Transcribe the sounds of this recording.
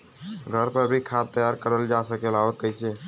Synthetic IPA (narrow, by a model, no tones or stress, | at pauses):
ɡʱəɾpəɾbʱikʰat̪ːəjaɾkəɾəld͡ʒasəkeloɾkəɪse